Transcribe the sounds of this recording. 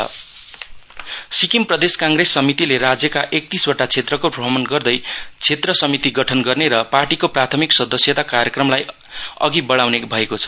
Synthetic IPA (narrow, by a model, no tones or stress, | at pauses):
sikimprʌd̪eskaŋɡresːʌmit̪ileɾad͡zjʌkaʔek̚t̪iswʌʈat͡sʰet̪rʌkopʌbʱʌmʌnɡʌrd̪ʌjt͡sʰet̪rʌsʌmit̪iɡʌʈʰʌnɡʌrneɾʌparʈikoprat̪ʰʌmiksʌd̪ʌsjʌt̪akaɾjʌkrʌmlaj | ʌ̰ɡibʌɭawnebʱʌekot͡sʰʌ̥